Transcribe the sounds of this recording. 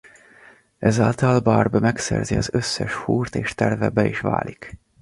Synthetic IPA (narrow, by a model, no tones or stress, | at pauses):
ʔɛzaːlt̪ɒlbaːrbɛmɛksɛ̰rziɒzøsːɛʃhuːrt̪eːʃt̪ɛrvɛbɛiːʃʋa̰ːlik